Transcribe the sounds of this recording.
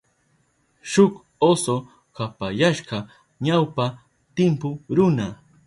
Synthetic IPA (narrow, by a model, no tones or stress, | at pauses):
ʃʊk | oso | kapajaʃɢɑ | ɲawpa | t̪ɪmpʊɾʊna